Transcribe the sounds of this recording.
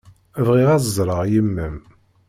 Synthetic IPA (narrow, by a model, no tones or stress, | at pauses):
vʁiʁæzzˤɾˤəʁjəmːəm